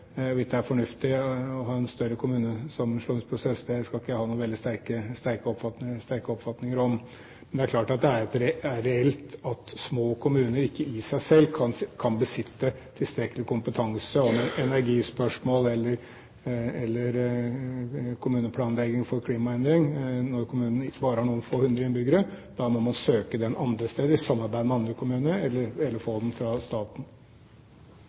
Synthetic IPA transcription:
ʋɪsd̪ɛæɾfɔɳʉft̪ɪɔɦɑːɛnst̪œɾːəkʰʊmʉːnəsɑmːənʂluːnɪŋspʰɾʊsɛsːd̪ɛskɑlɪkːəhɑːnuːʋɛld̪ɪst̪æɾkəst̪æɾkəɔpfɑt̪nɪst̪æɾkəɔpfɑt̪nɪŋəɾɔm | mɛnd̪ɛæɾkʰlɑːʈɑt̪̚d̪ɛæɾɛt̪ɾæɾɛɛlt̪ɑt̪smoːkʰʊmʉːnəɾɪkːəɪsæɪsɛlːkʰɑnkʰɑnbəsɪt̪ːət̪ʰɪlst̪ɾɛkəlɪkʰʊmpət̪ʰɑŋsəɔmɛnʔɛnæɾɡiːspœʂmoːlɛlːəɾ | ɛlːəɾ | kʰʊmʉːnəpʰlɑːnlɛɡɪŋfɔɾkʰliːmɑɛnd̪ɾɪŋnɔɾkʰʊmʉːnən̩ɪbɑːɾəhɑɳuːənfoːhʉnd̪ɾəɪnbʏɡəɾəd̪̥ɑmɔmɑnsøːkəd̪ɛnʔɑnd̪ɾəst̪eːd̪əɾsɑmːɑɾbæɪd̪mɛɑnd̪ɾəkʰʊmʉːnəɾɛlːəɾɛlːəɾfoːd̪ɛn̩fɾɑst̪ɑːt̪n̩

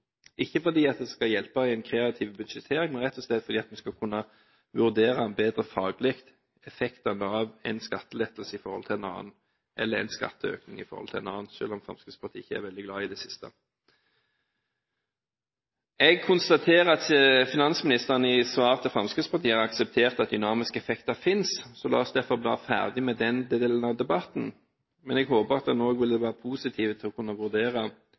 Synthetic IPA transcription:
ʔɪçːəfɔd̪iːɑt̪̚d̪ɛskɑjɛlpɑɪɛɪnkʰʁeːɑt̪ʰiːʋbʉd̪ʂɛt̪ʰeːʁɪŋmɛnʁɛt̪ʰːɔslɛd̪fɔd̪iːɑt̪mɛskɑkʰʉnːɑ | ʋʉʁd̪eːʁɑɛnbeːd̪ʁəfɑːɡlɪkt̪ | ɛfɛkt̪ɑnəɑʋɛɪnskɑt̪ːəlɛt̪ːəlsəɪfɔʁhɔ̰lt̪ʰɪlɛnɑ̰ːn̩ | ʔɛ̰lːəʁɛ̰ɪnskɑ̰t̪ːəø̰ːknɪŋɪfɔʁhɔ̰lt̪ʰɪlɛ̰nɑ̰ːnʃø̰ːlɔmfɾɑ̰mskʉd̪spʰɑʁt̪ʰiːɪçːəæ̰ʁʋɛld̪ɪɡlɑːɪd̪ɛsɪst̪ə | ɛɡ̚kʰʊnst̪ɑt̪ʰeːʁəɑt̪fɪnɑnsmɪnɪst̪əʁənəɪsʋɑːʁt̪ʰəfʁɑmskʉd̪spʰɑʁt̪ʰiːhɑɾɑksɛp̚t̪ʰeːʁt̪ɑt̪̚d̪ʏnɑːmɪskəɛfɛkt̪ɑfɪnssɔlɑ̰ːɔsd̪æʁfɔʁblɑ̰ːfæ̰ʁd̪ɪmɛd̪ɛnd̪ɛd̪eːln̩ɑʋd̪ɛbɑt̪n̩ | mɛnɛɡɦoːbəʁɑt̪̚d̪ɛnoːɡʋɪld̪ɛʋæːʁəpʰuːsɪt̪ʰiːʋət̪ʰɪlɔkʰʊnːəʋʉʁd̪eːʁɑ

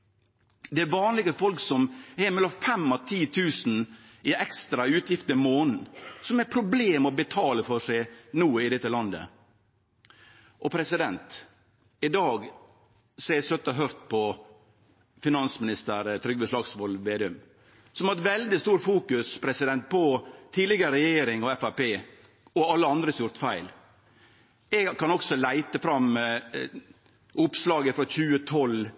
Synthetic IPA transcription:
d̪ɛæɾʋɑːnlɪɡəfɔlksɔmɛmɛlːɔmfɛmːɑt̪ʰiːt̪ʰʉːsn̩ | ɪʔɛkst̪ɾɑʉːt̪jɪft̪əmoːnn̩sɔmɛɾpʰɾʊbleːmɔbət̪ʰɑːləfɔʂæɪnuːɪd̪ɛt̪ːəlɑnd̪ə̰ | ʔɔpʰɾɛsɪd̪ɛnt̪ | ɪd̪ɑːɡ | sɔæɛsœt̪ːəɦœɾt̪pʰɔ | fɪnɑnsmɪnɪst̪əɾt̪ʰɾʏɡbəslɑːɡsʋɔlʋeːd̪ʉm | sɔmæɛt̪ʋɛld̪ɪst̪uːɾfuːkʉspʰɾɛsɪd̪ɛnt̪̚pʰɔt̪ʰiːlɪɡəɾəɾɛjeːɾɪŋɔɛfæpeː | ɔɑlːəɑnd̪ɾəsjʊɾt̪fæɪl | ɛɡkʰɑnɔksɔlæɪt̪əfɾɑm | ʊpslɑːɡəfɾɔçʉːət̪ʰɔl

